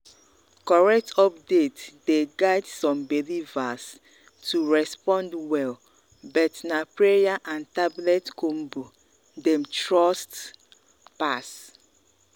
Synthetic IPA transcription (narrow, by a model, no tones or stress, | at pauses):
kɔɹɛk̚tʰɔp̚detdeɡaɪdsɔ̃mbilivas | tʰuɹɛspɔ̃ndwɛl | bɔtnapɹejaʔãntablɛtkʰom̩bu | dɛ̃mtɹɔst | pas